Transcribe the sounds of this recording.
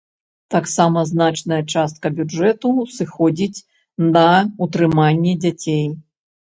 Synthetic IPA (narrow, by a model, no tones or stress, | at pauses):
t̪aksamɐznat͡ʂnɐjɐt͡ʂast̪̚kɐbʲud͡ʐɛt̪usɨxɔd͡zʲit͡sʲ | nɐut̪ɾɨmanʲːɛd͡zʲat͡sʲej